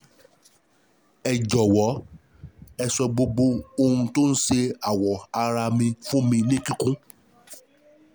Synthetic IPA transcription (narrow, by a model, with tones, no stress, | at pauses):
ɛ˨d͡ʒɔ˨wɔ˨˦ | ɛ˧sɔ˧ɡ͡bo˧ɡ͡bo˧o˧ũ˧to˦n̩˦ʃe˧a˨wɔ˨a˧ɾa˧mĩ˧fũ˦mĩ˧nĩ˦kĩ˦kũ˦